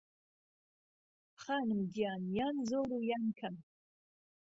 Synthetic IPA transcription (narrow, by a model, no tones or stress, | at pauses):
χaːnɨmdijaːnjaːnzoːɾujankʰam